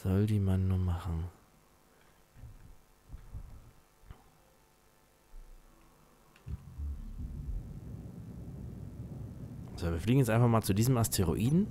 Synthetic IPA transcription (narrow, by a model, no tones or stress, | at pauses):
z̥ɔldiːmanːuːmaχn̩ | z̥oːviːɐfliːɡŋ̩jɛt͡sʔaɪnfaχmaːlt͡sudiːzəmastʰeʁ̞o̰ʔiːdn̩